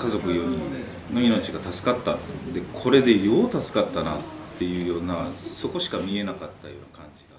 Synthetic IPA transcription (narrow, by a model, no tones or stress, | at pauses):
kazo̞kɯ̟joːmʲio | no̞ino̞t͡ɕiɡat̪asɨ̥kat̪ːad̪e̞kʰo̞ɾe̞d̪e̞jo̞ːt̪asɨ̥kat̪ːana̰t̪ːe̞jɯ̟ːjo̞ːnaso̞ko̞ɕi̥kamʲie̞nakat̪ːajo̞̰ːnakãɲ̟d͡ʑid̪a